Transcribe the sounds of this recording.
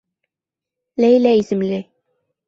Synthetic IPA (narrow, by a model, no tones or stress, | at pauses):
læjlæisɘ̆mlɘ